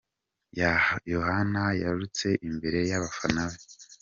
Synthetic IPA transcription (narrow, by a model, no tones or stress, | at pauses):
jajohanajaɾut͡se̞ʔimbe̞ɾe̞jaβafanaβe